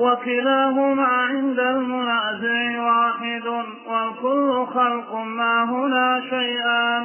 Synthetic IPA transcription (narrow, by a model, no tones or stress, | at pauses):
wakɪlaːɦʊmaːʕɪnd̪almʊnaːzɪʕɪwaːħɪd̪ | walkʊlːʊxɑlqʊmaːɦʊnaːʃajʔaːn